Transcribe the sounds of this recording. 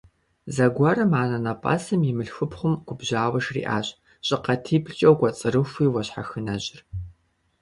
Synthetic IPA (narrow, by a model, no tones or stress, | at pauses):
zɐɡʷɔrɐmʕaːnɐnɐpʼɐ̰sɨmjɪmɨɬxɨpχʷʊmɡʷʊbʑaːwɐʂrḭːʔa̰ːɕʼ | ɕʼɪqɐtʰiːpɬt͡ʃʼɐwɡʷɔt͡sʼɨɾɨxʷiːwɐɕħaxɨnɐʑʼɪr